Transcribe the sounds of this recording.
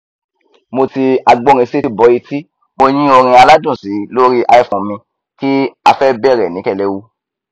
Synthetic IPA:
mo˧ti˧a˧ɡ͡bɔ̃˦˧ɾ̃ĩ˧se˦˧˨bɔ˨˦i˧ti˦ | mo˧ɲ̃ĩ˦o˧ɾ̃ĩ˧a˧la˦dũ˦˨si˨˦lo˦ɾi˦ʔa˧ɛ˧˨fɔ̃˨mĩ˧ | ki˦a˧fɛ˦bɛ˦˨ɾɛ˨nĩ˨˦kɛ˧˨lɛ˧wu˦

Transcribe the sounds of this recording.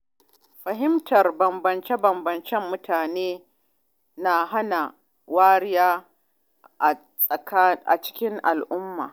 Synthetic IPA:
ɸɐ˨ɦɪ˦mtʰɐ˨rbɐ˨mbɐ˨nt͡ʃɛ˦bɐ˨mbɐ˨nt͡ʃɛ˦mːʊ˦tʰaː˨neː˦ | na˨ɦa˦na˨ | waː˦ɽɪ˦jaː˦ | ʔa˨ | sʼɐ˨ka˦ʔa̰˨t͡ʃɪ̥˦kʲɪ˦ŋʔa˨lʔʊ˦mːa̰ː˨

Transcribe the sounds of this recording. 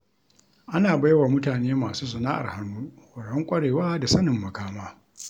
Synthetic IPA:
ʔa˦naː˨ba˦jwaː˨mʊ˦taː˨neː˦maː˨suː˦s̬ɐ˨naː˦ʔa̰˨rha˦nːuː˦wɐ˨ɽɔ˦ŋkʷʼɐ˦ɽeː˨waː˦da˨sɐ˦nɪ˨mːɐ˨kaː˦maː˦

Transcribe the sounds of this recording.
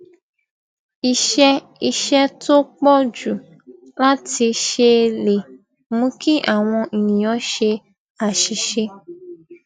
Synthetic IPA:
i˨ʃɛ˦ | i˧ʃɛ˦to˦k͡pɔ˦d͡ʒu˨ | la˦ti˧ʃe˧le˨ | mũ˦ki˦ʔa˦˨w̃ɔ̃˧ʔi˨nĩ˨ɔ˨˦ʃe˧ | a˨ʃi˨ʃe˧

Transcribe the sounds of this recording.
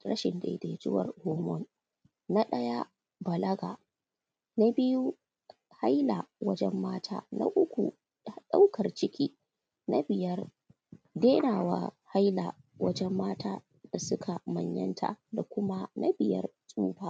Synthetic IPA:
ɾɐ̰˦ʃɪ˨nda̰˨˦de˨d͡ʒʊ˦wɐ̰˨rhuː˦mɔ˦n | na˦ɗɐ˦ja˦ | bɐ˨lɐ˦ɡa˨ | na˦bɪ˦ju˦ | ha˦jla˨wɐ˦d͡ʒɛ˦mːaː˦tʰaː˦na̰˦ʔʊ˦kʷṵ˨ | ɗa̰˦wkɐ˨rt͡ʃɪ˦kʲiː˦ | na˦bɪ˨jɐ˦r | deː˦naː˨waː˦ha˦jla˨ | wɐ˦d͡ʒɛ˦mːaː˦tʰaː˦ | d̥a˨sʊ˦kʰa˨mɐ˨ɲjɐ̰˦ntʰa̰˨da˨kʷʊ˦ma˦na˦bɪ˨jɐ̰˦rsʼuː˦baː˦

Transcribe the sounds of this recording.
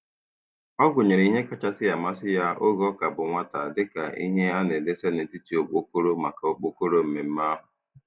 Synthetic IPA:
ɔ˦ɡʊ˨ɲe˨ɾe˨i˦ɦe˦ka˦t͡ʃa˦sɪ˦ja˨ma˦sɪ˦ja˦ʔo˦ɡɔ˦ka˨bʊ˨ŋʷa˦ta˨dɪ˦ka˨ḭ˦ɦe˦a˦ne˨de˦se˦nɪ˨ti˦ti˦o˨k͡po˦ko˦ɾo˦ma˨ka˨o˦k͡po˦ko˦ɾo˦m̩˦me˨m̩˦ma˦ɦʊ˨

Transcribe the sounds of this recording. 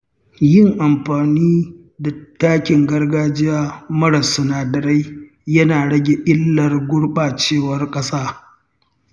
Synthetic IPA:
jɪ˦˨ŋʔa˨mɸaː˨niː˦ | da˨taː˦kʲɪ˨ŋɡɐ˦rɡaː˦d͡ʒɪ˦jaː˦mɐ˦ɽɐ˨sʊ˨naː˨dɐ˨ɾa˦j | jɐ˦naː˨ɽɐ˦ɡʲe˨ʔɪ˦lːɐ˨rɡʷʊ˦ɽɓaː˨t͡ʃeː˦˨wɐ˨rkʼɐ˦saː˦

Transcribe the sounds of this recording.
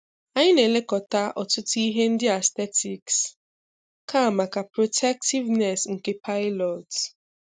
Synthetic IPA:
a˦ɲɪ˦ne˨le˦kɔ˨ta˦ʔɔ˨tʊ˦tʊ˦i˦ɦe˦n̩˦dɪ˦a˨ste˦tʰi˨ks | ka˦a˨ma˨ka˨pɾo˨tʰɛ˦k̚ti˦vnɛ˨sŋ̩˨ke˦pʰa˦ɪ˦lɔ˨t

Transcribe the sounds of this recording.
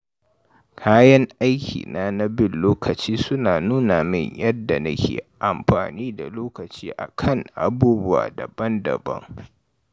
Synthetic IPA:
kʰaː˦jɐ˦ŋʔa˦jkʲʰḭː˨naː˦na˦bɪ˦˨nloː˦kʰɐ˨t͡ʃiː˦sʊ˦naː˨nuː˦na˨mɪ˦˨ɲjɐ˦dːa˨na˦kʲʰḛː˨ʔa˨mɸa̰ː˨niː˦da˨loː˦kɐ˨t͡ʃiː˦ʔa̰˨kʰɐ˦˨ŋʔa˨buː˦bʊ˦wa̰ː˨dɐ˨bɐ˦ndɐ̰˨bɐ̰˦ŋ

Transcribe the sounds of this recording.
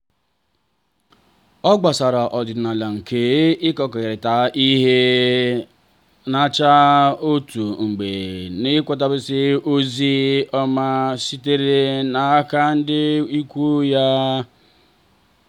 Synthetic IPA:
ɔ˦ɡ͡ba˨sa˨ɾa˨ʔɔ˨dɪ˨dna˨la˨ŋ̩˨kʰe˨˦ɪ˦kɔ˨kɔ˨ɪ˨ɾɪ˨ta˨˦ʔi˦ɦe˦ | na˦t͡ʃa˦o˦tu˨ŋ͡m̩˨ɡ͡be˨nɪ˦kʷɔ˦t̬a˦bɪ˦sɪ˦o˦zi˦ɔ˦ma˦si˦te˦ɾe˦na˨a˦ka˦n̩˦dɪ˦i˦kʷu˦ja˦

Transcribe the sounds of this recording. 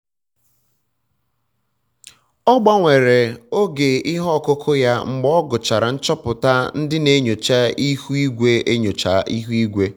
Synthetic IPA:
ɔ˦ɡ͡ba˦ŋʷe˨ɾe˨o˦ɡe˨ɪ˦ɦɔ˦˨kʊ˦kʰʊ˦ja˦ŋ͡m̩˨ɡ͡bɔ˦ɡʊ˨t͡ʃa˨ɾa˨n̩˦t͡ʃɔ˦pʊ˨ta˦n̩˦dɪ˦ne˦ɲo˨t͡ʃa˦i˦hu˦i˦ɡʷe˦e˦ɲo˨t͡ʃa̰˨ʔi˦ɦu˦i˦ɡʷe˦

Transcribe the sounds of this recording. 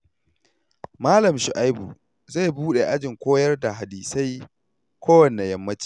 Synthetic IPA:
maː˦lɐ˨mʃʊ˨ʔa˦jbṵ˨ | za˦˨jbuː˦ɗe˨ʔa˦d͡ʒɪ˨ŋkʷoː˦jɐ˦rda˨ɦa˨diː˨sa˦j | kʷoː˦wɐ˨nːe˨jɐ˦mːɐ˦t͡ʃi̥ː˨

